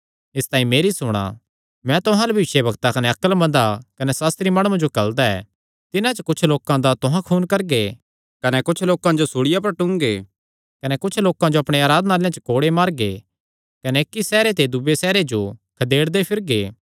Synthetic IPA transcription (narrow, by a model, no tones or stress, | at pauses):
ɪst̪aːĩmeːɾisʊɽ̃a̰ | mɛ̃t̪ʊɦãlebʱɐʋɪʃebɐɡt̪akɐneɐkəlmɐ̃nd̪akɐnɛsaːst̪ɾimɐɽ̃ũãd͡ʒokɐld̪aɛ̰ː | t̪ɪnãt͡ʃɐkʊt͡ʃʰloːkãd̪at̪ʊɦãkʰuːnkɐɾɡe | kɐnɛkʊt͡ʃʰloːkãd͡ʒosʊɽɪjapɐɾʈʊ̃ŋɡeː | kɐnɛkʊt͡ʃʰloːkãd͡ʒoɐpɽ̃eaːɾaːd̪naːljãt͡ʃəkoːɽemaːɾɡe | kɐnɛɪkːisɛːɾet̪̬ed̪ʊbesɛːɾed͡ʒokʰɐd̪eːɽd̪epʰɪɾɡeː